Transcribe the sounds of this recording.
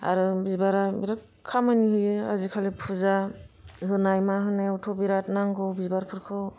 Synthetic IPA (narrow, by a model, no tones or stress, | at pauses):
a̰ɾɯbizbaɾabiɾa | kʰːamaniɦɯjɯazikʰalepʰuzahɯnajmaɦɯnajwtʰɔbiɾatnaŋɡɯwbizbaɾpʰɯɾkʰɯw